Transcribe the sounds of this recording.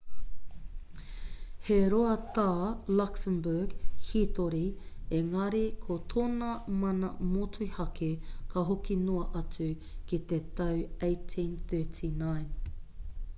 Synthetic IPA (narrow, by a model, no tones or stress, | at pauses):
heɾoɐt̪aːlɐksəmbəɡhit̪oɾieŋɐɾikʰot̪ʰoːnɐmɐnɐmotʰuhɐkʰekʰɐɦokinoɐʔɐt͡sʉ | kit̪et̪ɐwejtʰĩnθɜːtʰinajn